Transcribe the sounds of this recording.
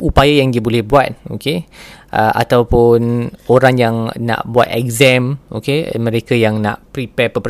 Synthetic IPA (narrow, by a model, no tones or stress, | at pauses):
upajajaŋdibolɛhbuat̪̚o̰keʔəʔa̰t̪awpʊnoɾaŋjaŋna̰ʔbua̰t̪ɛk̚zɛmo̰kemə̃ɾekajaŋna̰ʔpɾipɛpəp